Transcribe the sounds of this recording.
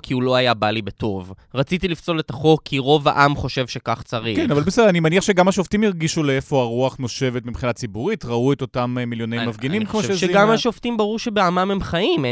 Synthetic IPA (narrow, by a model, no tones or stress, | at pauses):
kʰiulo̞ajabalibe̞to̞vʁat͡sit̪ilift͡so̞letaχo̞kʰːiʁo̞va̰ʔamχo̞ʃe̞vʃe̞kaχt͡saʁikenavalbesedanimaniaχʃe̞ɡamaʃoftimiʁɡiʃuleefo̞aʁuaχnoʃe̞vetmipχinat͡sibuʁitʁaueto̞tammiljo̞nemafɡenimmkmoʃʃeɡamhaʃoftimbaʁuʁʃebeamamhemχaim